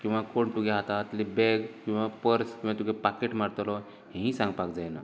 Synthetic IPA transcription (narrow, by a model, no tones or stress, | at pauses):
kĩw̃ʋakoɳt̪uɡeɦat̪at̪lebɛɡkĩw̃ʋapəɾskĩwʋat̪uɡepakeʈmaɾt̪lɔ | ɦẽɦĩsãŋɡpakd͡zajna̰